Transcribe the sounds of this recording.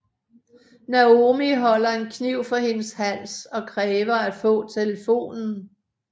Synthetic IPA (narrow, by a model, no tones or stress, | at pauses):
næo̝miɦɒ̽l̰ɐe̝nkʰniʊ̰fɒhe̝nəshæl̰sɒ̽kʰʁɛːʋɐæ̥fɔ̰̽ːt͡sʰeləfo̝̰ːnn̩